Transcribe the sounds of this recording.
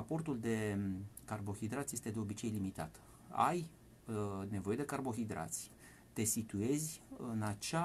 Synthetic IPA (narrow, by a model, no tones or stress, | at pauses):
apo̞rt̪uld̪e̞karbo̞xid̪ɾat̪sʲje̞st̪e̞d̪e̞o̞bit͡ʃe̞jlimit̪a̰t̪ | a̰j | ne̞vo̞jed̪e̞karbo̞xid̪ɾa̰t̪sʲ | t̪e̞sit̪ue̞zʲɨnat͡ʃa